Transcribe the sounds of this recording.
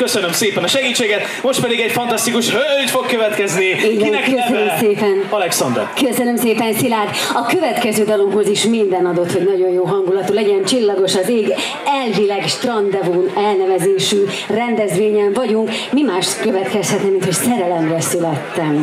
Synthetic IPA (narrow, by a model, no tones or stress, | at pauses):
køsønømseːpɛnɒʃɛɡiːt͡ʃːeːɡɛt̪mo̞ʃt̪pɛd̪iɡɛɟfɒnt̪ɒst̪ikuʃhølt̪fokkːøvɛt̪kɛzniiɛkøsønømseːpɛnɒlɛksɒnd̪ɛ̰rkøsønømseːpɛnsilaːd̪ | ɒkø̞vɛt̪kɛzøːd̪ɒlo̞mɦo̞ziʃmind̪ɛnɒd̪o̞t̪ho̞ɟnɒɟo̞jjoːɦɒŋɡulɒt̪ulɛɟɛnt͡ʃilːɒɡo̞ʃɒzeːɡ | ɛlvilɛɡʃt̪rɒnd̪ɛvunɛlnɛvɛzeːʃy | rɛnd̪ɛzʋeːɲɛɱvɒɟuŋkmimaːʃt̪køvɛt̪kɛshɛt̪nɛmːint̪ho̞csɛɾɛlɛmrɛsylɛt̪ːɛm